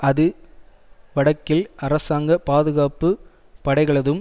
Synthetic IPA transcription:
ɐðɯ | ʋɐɽɐkːɪlɐɾɐsaːŋɡɐpaːðɯɣaːpːɯ | pɐɽɐɪɣɐɭɐðɯm

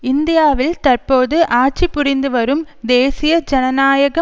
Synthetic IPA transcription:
ɪnd̪ɪjaːʋɪlt̪ɐrpoːðɯʔaːʈ̚t͡ʃipʊɾɪnd̪ɯʋɐɾɯm | d̪eːsɪjɐd͡ʒɐnɐnaːjɐɣɐ

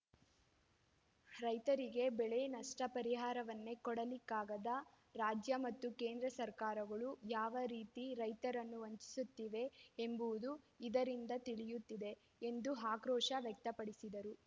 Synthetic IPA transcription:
ɾɐjt̪ɐɾiɡe̞bɛɭenɐʂʈɐpɐɾiɦaːɾɐʋɐnːekɔɽɐlikːaːɡɐd̪ɐ | ɾaːd͡ʒjɐmɐt̪ːuke̞ːnd̪ɾɐsɐɾkaːɾɐɡɐɭujaːʋɐɾiːt̪iɾɐjt̪ɐɾɐnːuoɲt͡ʃi̥sut̪ːiʋe̞ːmbuʋud̪u | id̪ɐɾind̪ɐt̪iɭijut̪ːid̪e̞ | end̪uɦaːkɾɔːʂɐʋjɐk̚t̪ɐpɐɽisid̪ɐɾu

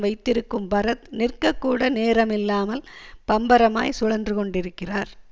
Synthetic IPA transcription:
ʋɐɪt̪ːɪɾɯkːɯmpɐɾɐt̪nɪrkɐkːuːɽɐneːɾɐmɪlːaːmɐlpɐmbɐɾɐma̰ːjsʊɻɐndrɯkɔɳɖɪɾɯkːɪraːɾ

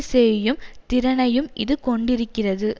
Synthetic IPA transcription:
sɛjɯmt̪ɪɾɐnɐjɯmʔɪ̰ðɯkɔɳɖɪɾɯkːɪrɐðɯ

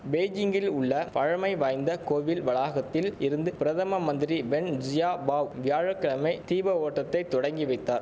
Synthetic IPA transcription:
beːd͡ʒɪŋɡɪlʊɭːɐpɐɻɐmɐɪʋaːjnd̪ɐkoːʋɪlʋɐɭaːɣɐt̪ːɪlɪɾɯnd̪ɯpɪɾɐðɐmɐmɐnd̪ɪɾiʋɛɳd͡ʒɪjaːbaːwʋɪjaːɻɐkːɐɭɐmɐɪt̪iːbɐoːʈːɐt̪ːɐɪt̪ɔɽɐŋɡiʋɐɪt̪ːaːɾ

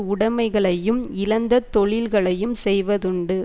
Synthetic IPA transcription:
ʊɽɐmɐɪɣɐɭɐjjɯmɪlɐnd̪ɐt̪ːɔɭɪlɣɐɭɐjɯmsɛjʋɐðʊɳɖɯ

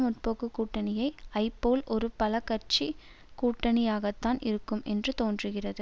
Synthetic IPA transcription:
mʊʈ̚poːkɯkːuːʈːɐnɪjɐɪɐɪpːoːlʔɔɾɯpɐlɐkːɐrt͡ʃi | kuːʈːɐnɪjaːɣɐt̪ːaːnʔɪɾɯkːɯmʔɛndrɯt̪oːndrɯɣɪrɐðɯ

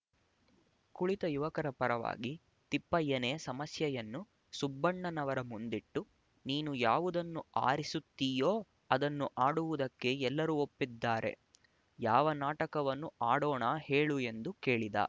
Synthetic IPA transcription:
kuɭit̪ɐjuʋɐkɐɾɐpɐɾɐʋa̰ːɡi | t̪ipːɐjːɐne̞ːsɐmɐsjɐjɐnːu | subːɐɳːɐnɐʋɐɾɐmund̪iʈːu | niːnujaːʋud̪ɐnːua̰ːɾisut̪ːijoː | ɐd̪ɐnːuʔaːɽuʋud̪ɐkːe̞ɛlːɐɾuːopːid̪ːaːɾʔe̞̰ | jaːʋɐnaːʈɐkɐʋɐnːuaːɽɔːɳaːhe̞ːɭue̞nd̪uke̞ːɭid̪ɐ̰ː

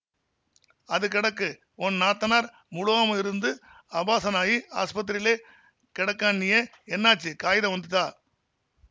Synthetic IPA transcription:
ɐðɯkɪɽɐkːɯ | ɔnnaːt̪ːɐnaːɾ | mʊɽʊʋaːmɐɪɾɯnd̪ɯ | ɐbaːsɐnaːjia̰ːspɐt̪̬ːɪɾɪleː | kɪɽɐkːaːnːɪjɐ | ɛnːaːt͡ʃːɯkaːjɪðɐʋɐnd̪ɯt̪ːaː

